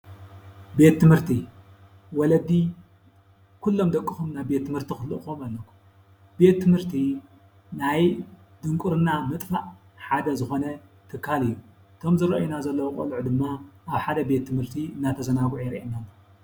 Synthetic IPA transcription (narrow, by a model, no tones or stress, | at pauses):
be̞t̪ːɨmhɨɾt̪ʰi | wɔlɐd̪i | kʰulːo̞md̪ɐkʼːɨxumnajbe̞t̪ʰːɨmhɨɾt̪ʰixɨlːɨʔxumalːɐkʰːu̥m | b̥e̞t̪ːɨmhɨɾt̪ʰi | naj | d̪ɨŋkʼuɾɨnamɨt̪ʼfaʔ | ħad̪ɐzɨxo̞nɐt̪ʰɨkʰːalɨjːu | t̪ʰo̞mzɨɾɐʔjunazɐlːɐwokʼo̰luʕd̪ɨmːaʔaβħad̪ɐbe̞t̪ʰːɨmɨɾt̪ʰiɨnːat̪ʰɐzɐnawʕjɾʔenan